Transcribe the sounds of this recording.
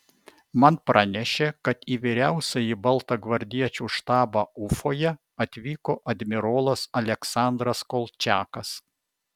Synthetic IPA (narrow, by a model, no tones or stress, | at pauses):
mɐnpɾʔɑnʲɛʃʲeːkɐt̪iːʋʲiɾʲæˑʊsʲɐjibɐlˠˑt̪ɐɡʋɐɾʲd̪ʲiɛt͡ʃʲuːʃt̪ɑːbɑːʊfoːjɛ | ɐt̪ʲʋʲiːkoːʔɐd̪ʲmʲɪɾoːlˠɐsɐlʲɛksɑˑnd̪ɾɐskolˠt͡ʃʲæːkɐs